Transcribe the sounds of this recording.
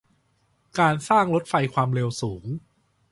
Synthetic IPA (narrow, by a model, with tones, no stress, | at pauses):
kaː˧nsaː˥˩ŋɾo˦˥t̪̚fa˧jkʰwaː˧mɾeː˧wsuː˩˦ŋ